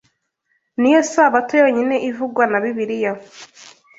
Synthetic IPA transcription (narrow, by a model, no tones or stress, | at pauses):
nijosaːβatojoːɲine̞ʔivuɡwanaβiβiɾija